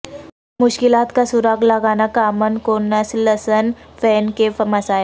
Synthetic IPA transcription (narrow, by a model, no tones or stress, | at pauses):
muɕkilat̪kasuɾaɡlaɡanakamənkonəsləsənfɛnkefəməsaj